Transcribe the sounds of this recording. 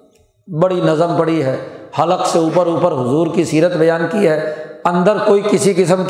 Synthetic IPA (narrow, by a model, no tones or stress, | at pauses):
bɐɽinɐzəmpɐɽiɦɛːhɐləkseuːpəɾuːpəɾɦʊzuːɾkisiːɾət̪bɐjaːnkiɦɛːɐ̃nd̪əɾkoːikɪsikɪsəmk